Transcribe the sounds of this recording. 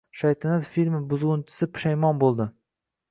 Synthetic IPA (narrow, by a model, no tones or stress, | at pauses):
ʃajt̪ʰɪnazfilʲmɪbʊzʁʊnt͡ʃʰɪ̥sɪpʰʊ̥ʃajmɒnbolˠd̪ɪ